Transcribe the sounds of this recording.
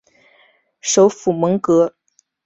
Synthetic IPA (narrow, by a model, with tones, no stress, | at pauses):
ʂo˧˥ʊfu˨˩mə˧˥ŋkɤ˧˥